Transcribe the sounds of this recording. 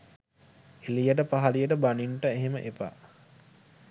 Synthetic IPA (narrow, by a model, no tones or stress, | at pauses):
elijəʈəpaɦɐlijəʈəbaniɳʈəeɦeməʔepa̰